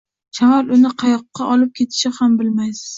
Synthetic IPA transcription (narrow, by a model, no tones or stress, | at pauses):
t͡ʃʰamɒlʊnɪqʰɑjɒqːɑʔɒlɪp̚kʲʰe̞t̪ʰɪ̥ʃɪhambɪlmajsɪ̥z̥